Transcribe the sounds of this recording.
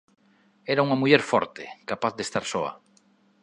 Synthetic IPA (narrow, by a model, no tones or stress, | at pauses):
ɛɾauŋɐmuʎɛɾfɔɾt̪ekapaθðest̪aɾsɔɐ̰